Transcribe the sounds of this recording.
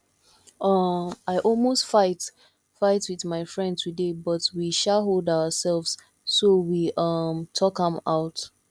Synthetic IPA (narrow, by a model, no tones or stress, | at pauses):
ʌaɪʔɔlˠmostfaɪt | faɪtwiðmaɪfɹɛ̃ndtʰudebʌtwiʃaɦolˠdaʊəsɛlˠvz̥ | sowiʔʌmtʰɔkə̃maʊt